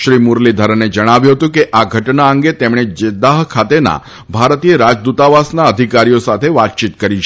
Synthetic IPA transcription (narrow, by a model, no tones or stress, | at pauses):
ʃɾimuɾlid̪ʱəɾəned͡ʒəɽ̃aʋjũɦət̪ũkeʔaɡʱəʈnaəŋɡet̪emɽ̃ed͡ʒed̪aɦkʰat̪ena̰ | bʱaɾt̪ijəɾad͡ʒd̪ut̪aʋasnaəd̪ʱikaɾijosat̪ʰeʋat̪̚t͡ʃit̪kəɾit͡ʃʰ